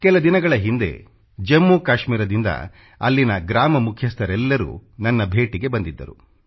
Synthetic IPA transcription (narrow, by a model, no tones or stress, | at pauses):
kɛlɐd̪inɐɡɐɭɐɦind̪e̞̰ | d͡ʒemːukaːʃmiːɾɐd̪ind̪ɐ̰ | ɐlːinɐɡɾaːmɐmukʰjɐst̪ʰɐɾɛlːɐɾṵːnɐnːɐbʱe̞ːʈiɡe̞bɐnd̪id̪ːɐ̰ɾṵ